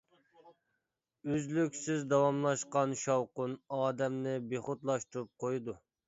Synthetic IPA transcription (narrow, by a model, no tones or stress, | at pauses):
øzlykʲsɪzd̪ɑwɑmlˠɑʃqɑnʃɑwqʊnɑːd̪ɛmnɪbeχʊt̪lˠɑʃt̪uɾup̚qʰojd̪u